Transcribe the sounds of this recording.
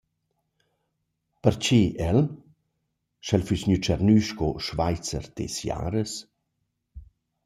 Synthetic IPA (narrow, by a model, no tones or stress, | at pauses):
pəɾt͡ʃiʔɛl | ʃɛlfysɲyt͡ʃɛrnyʃkoʃvajt͡sə̰ɾt̪ḛsja̰ːɾəs